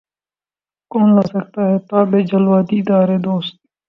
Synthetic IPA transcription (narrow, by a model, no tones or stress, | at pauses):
koːnlasək̚t̪aːɦɛːt̪aːbeːd͡ʒəlʋaːd̪iɪd̪aːɾeːd̪oːst̪̚